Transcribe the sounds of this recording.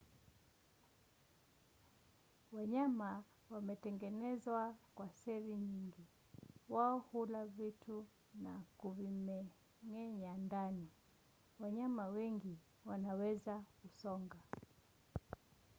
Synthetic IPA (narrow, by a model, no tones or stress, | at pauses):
waɲama | wamɛtɛŋɡɛnɛzwakwasɛviɲiŋɡi | waɔhulavitʰu | nakuvimɛ | ŋɛɲandani | waɲamawɛŋɡi | wanawɛzakusɔŋɡa